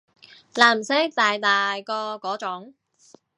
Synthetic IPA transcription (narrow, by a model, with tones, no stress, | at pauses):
laː˨˧˩m̩˨˩se˦˥k̚t̪aː˨˩jt̪aː˨˩jkɔː˧kɔː˨˥t͡ʃʊ˨˥ŋ